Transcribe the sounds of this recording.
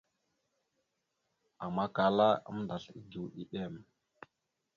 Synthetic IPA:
a˨ma˦ka˨la˦ə̰˦m˦nda˨ɬḭ˦ɡi˨wɗi˦ɗe˦˨m

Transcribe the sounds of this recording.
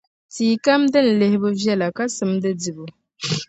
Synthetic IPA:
tiː˨ka˦mdɨ˦n̩˨le˦hɪ˦bɨ˦vjɛ˦la˨ka˦sɨ˦mdɨ˦di˨bu˨

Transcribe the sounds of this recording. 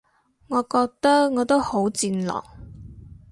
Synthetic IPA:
ŋɔː˨˧kɔː˧k̚t̪ɐ˥k̚ŋɔː˨˧t̪o˥who˨˥wt͡siː˧nlɔ̰ː˨˩k̚

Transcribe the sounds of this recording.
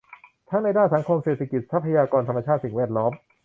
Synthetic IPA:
t̪ʰa˦˥ŋna˧jdaː˥˩nsa˩˦ŋkʰo˧mseː˨˩t̪ʰa˦˧ki˨˩t̪̚sa˦˥pʰːa˧jaː˧kɔː˧nt̪ʰa˧ma˧t͡ɕʰaː˥˩t̪̚si˨˩ŋwɛː˥˩t̪̚lɔː˦˥m

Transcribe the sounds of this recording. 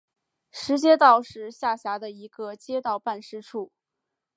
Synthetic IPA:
ʂɻ̩˧˥t͡ɕjɛ˥t̪ɑ˥˧ʊʂɻ̩˥˧ɕja˥˩ɕja˧˥d̪ə˧i˧˥ɡ̥ə˧t͡ɕjɛ˥t̪ɑ˥˧ʊpa˥˧nʂɻ̩˥ʈ͡ʂʰu˥˩

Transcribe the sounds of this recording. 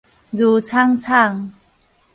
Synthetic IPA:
zuː˧t͡sʰa˥˨ŋt͡sʰa˥˩ŋ

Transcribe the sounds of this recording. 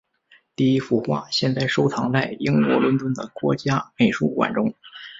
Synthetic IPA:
t̪i˥˩i˥fu˥˩xwa̰˥˩ɕjɛ˥˧nt͡sa˥˩ɪʂo˥ʊt͡sʰɑ˧˥ŋt͡sa˥˩ɪi˥ŋkwɔ̰˧˥lʊ˧˥nt̪wə˥nd̪ə̰˨kwɔ̰˧˥t͡ɕja˥me˨˩ɪʂu˥˩kwa̰˨˩nʈ͡ʂʊ˥ŋ

